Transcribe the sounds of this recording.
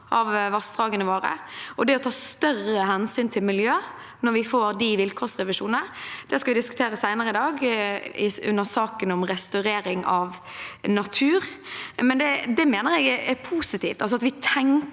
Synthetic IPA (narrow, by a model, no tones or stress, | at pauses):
ʔɑʋʋɑst̪ʁɑːɡənəʋoːɾə̰ʔɔd̪ɛɔt̪ʰɑːst̪œrəhɛnsyːnt̪ʰɪlmɪljøː | nɔɾʋɪfoːɾd̪ɪʋɪlkʰɔːʁsʁɛʋɪʂṵːnənəd̪̥ɛskɑʋɪd̪ɪskʉt̪ʰeːɾəsæɪnəɾəɪd̪ɑːɡɪʉ̰nːəʁsɑːkənɔmɾɛst̪ʉɾeːɾɪŋɑʋnɑt̪ʰʉːɾmɛnd̪ɛd̪ɛmeːnəɾɛɡɛɛpʰuːsɪt̪ʰiːft̪ɑlsɔɑt̪ʋɪt̪ʰɛŋ